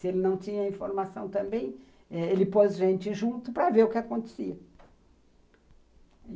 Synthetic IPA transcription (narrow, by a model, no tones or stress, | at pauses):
sɪelɪnɐ̃w̃t͡ʃĩɲɐĩfoɾmasɐ̃w̃t̪ɐ̃mbẽj̃ | ɛelɪpozʒẽnt͡ʃɪʒũt̪ʊpɾɐveɾʊkɪakõnt̪e̥siɐ